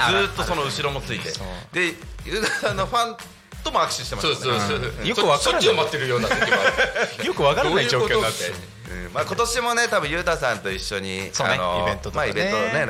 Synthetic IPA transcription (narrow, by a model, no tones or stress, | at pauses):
zɨːt̪ːo̞so̞no̞ɯ̟ɕiɾo̞mo̞t͡sɨit̪ed̪e̞jɯːt̪asãnːoɸãn | t̪o̞mo̞akɯ̟ɕi̥ɕi̥t̪easoːd̪soesjosɯβakaoɾaomat̪ːeɾɯ̟jo̞ːnaeajokɯ̟βakaɾaaid͡ʑoːkkoat̪ːe | ɯ̰̃maːkot̪o̞ɕimo̞ne̞t̪abɯ̟̃jɯːt̪aːsãnt̪o̞iɕːo̞ɲ̟isoa̰no̰ẽnt̪ot̪maibẽ̞nt̪one